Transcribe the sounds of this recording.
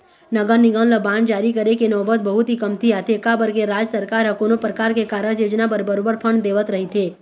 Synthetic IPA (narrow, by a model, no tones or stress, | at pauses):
nəɡənɪɡə̃nləbãːnɖd͡ʒaːɾikəɾekenɔːbət̪̚bəɦʊt̪ɦikəmt̪ʰiat̪ʰekabəɾkeɾaːd͡ʒəsəɾkaːɾɦəkonopɾəkaːɾkekaːɾəd͡ʒeːd͡ʒnapəɾbəɾoːbəɾpʰəɳd̪eːʋət̪ɾəɦit̪ʰeː